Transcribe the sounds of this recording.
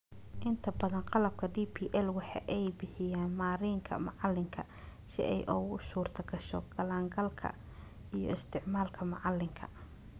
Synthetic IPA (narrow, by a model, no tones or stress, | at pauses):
ʔɪnt̪ʰɐbɐðɐnqɑlɐb̚kʰɐɖiːpʰiːʔɛlwɑħɑ̰ʔɛjbɪħɪjaːnmaːɾiːŋkʰɐ̰mɑʕɑlːɪŋkʰɐ̰ | sɪ̰ʔɛ̰jʔɔwʊʃuːrt̪ʰɐɡɐʃɔ̰ɡ̥ɐlaːŋɡɐlkʰɐ̰ | ijɔ̰ɪst̪ʰɪʕmaːlkʰɐmɐʕɑlːɪŋkʰɐ̰